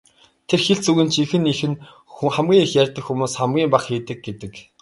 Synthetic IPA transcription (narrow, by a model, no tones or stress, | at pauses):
t̪ʰerxeɮt͡suɣɘ̆nt͡ɕʰixɘ̆nixɘ̆n | χæmɡʲiːŋixjærʲt̪ə̆kxumuːsχamɡʲiːmpaχxiːt̪ɘ̆k̚ɡet̪ɘ̆k